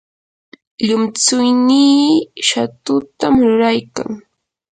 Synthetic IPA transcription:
ʎʊmt͡sʊjniːʃat̪ʊt̪amɾʊɾajka̰ŋ

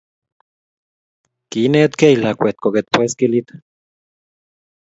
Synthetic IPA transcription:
kinet̪keilakʷet̪̚koket̪̚pweskilit̪

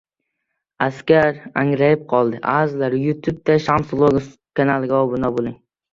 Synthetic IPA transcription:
askʲaɾaŋɾajɪp̚qʰɒlˠd̪ɪʔazlaɾjʊt̪ʰub̚t̪aʃamsblˠoɡ | kʰanalˠɡʲaɒbʊnabolˠɪŋ

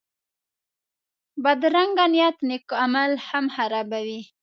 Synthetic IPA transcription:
bad̪ɾaŋɡanijat̪nekoamalhamhaɾabawi

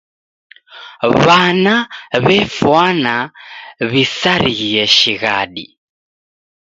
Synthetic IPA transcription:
βanaβɛfwana | βisaɾijɛʃiɣa̰ɗḭ

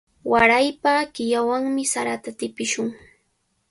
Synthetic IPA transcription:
waɾajpakɪjawaŋmɪsaɾat̪at̪ɪpɪʃʊŋ

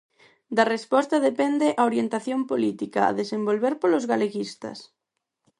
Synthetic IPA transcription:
d̪arespɔst̪aðepend̪eʔaoɾjent̪aθjompolit̪ikaa̰ðesembolβeɾpolozɣaleɣist̪ɐ̰s

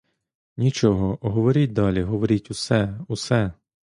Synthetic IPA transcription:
nʲit͡ʃɔɦɔɔɦɔʋɔɾʲit̚ʲd̪ɑlʲiɦɔʋɔɾʲitʲusɛusɛ

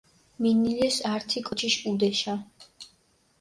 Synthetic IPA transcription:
minilɛsaɾt̪ʰikʼɔt͡ʃʰiʃud̪ɛʃa

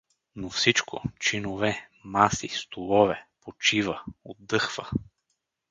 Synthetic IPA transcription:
nofsit͡ʃko̰t͡ʃinovɛmasist̪olˠɔvɛpot͡ʃivəod̪ːɤxvə

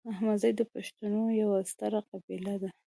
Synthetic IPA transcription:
ahmad̪zajd̪əpaʃt̪anojawast̪aɾaqabilad̪a

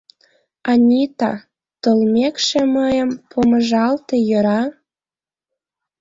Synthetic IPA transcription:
ɑnʲit̪ɑ̰ | t̪əlmʲekʃeməjəmpʰomə̆ʒɑlt̪ejɤɾɑ

